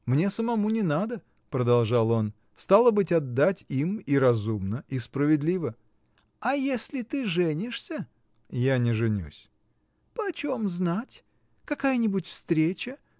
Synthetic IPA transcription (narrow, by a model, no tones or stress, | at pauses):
mnʲe̞səmɐmunʲɪnad̪ə | pɾəd̪ɐlˠʐɑlˠo̞n | st̪alˠəbɨtʲɐd̪ːatʲimiɾɐzumnəʔispɾəvʲɪd̪lʲivə | ɐjesʲlʲɪt̪ɨʐɛnʲɪʂsʲə | janʲɪʐɨnʲṵsʲ | pəɐt͡ɕomznatʲ | kɐkajənʲɪbʊtʲfst̪ɾʲet͡ɕə